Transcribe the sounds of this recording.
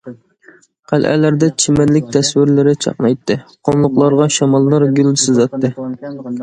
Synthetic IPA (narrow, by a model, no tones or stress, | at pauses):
qʰælʔæ̰læɾd̪ɛt͡ʃʰimælɪk̚ʲt̪ʰɛswɪɾlɪɾɪt͡ʃʰɑ̰qnɑjt̪ʰːɨqʰonlˠʊqlˠɑɾʁɑʃɑmɑlˠːɑɾɡʲylsɪzɑt̪ʰːɨ